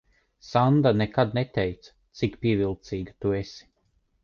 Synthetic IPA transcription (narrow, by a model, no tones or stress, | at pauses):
sand̪anekad̪nɛt̪ʲɛjt̪sḁ | t̪sikpiɛvilˠt̪siːɡat̪uɛsi̥